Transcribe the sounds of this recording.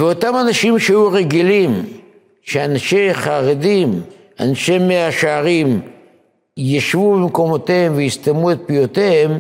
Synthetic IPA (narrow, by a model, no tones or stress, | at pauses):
veo̞tamanaʃimʃejuʁeɡilim | ʃeanaʃeχaʁedim | a̰nʃemːeaʃaʁim | jaʃvubemko̞mo̞t̪ehemvejist̪amuet̪̚pijot̪eem